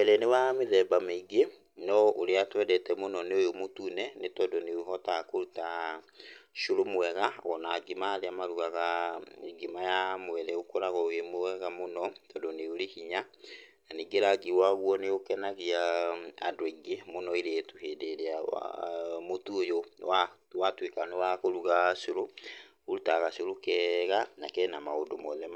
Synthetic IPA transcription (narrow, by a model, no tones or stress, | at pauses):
ɛɾɛnewameðɛbameiɡe | nɔoɾeatwɛdɛtɛmonɔneojomotunɛnetɔdoneuɦɔtakoɾuta | ʃoɾomoɛɣaɣɔnaɡemaːɾeamaɾuɣaɣaeɡemajamoɛɾɛokoɾaɣɔojemoɛɣamonɔtɔdoneoɾehiɲa | naniɡeɾaɡiwaɣuɔneokɛnaɣiaa̰deɡemonɔiɾeetuhedeɾea̰motuojowa | watwekanowakoɾuɣaʃoɾo | oɾutaɣaʃoɾokɛɣanakɛnamaodomɔðɛma